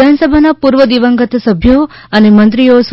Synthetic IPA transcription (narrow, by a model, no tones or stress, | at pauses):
ansəbʱanapuɾʋəd̪iʋəŋɡət̪səbʱjoənemənt̪ɾijos